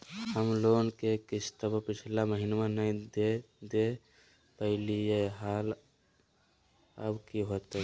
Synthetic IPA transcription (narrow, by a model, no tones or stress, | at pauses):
həmloːnkekɪsʰt̪əbəpɪt͡ʃʰlaməɦɪnmãnəĩd̪e | d̪e | pəɦɪlijeɦaːl | ə̰bkiɦoːt̪ɦɛ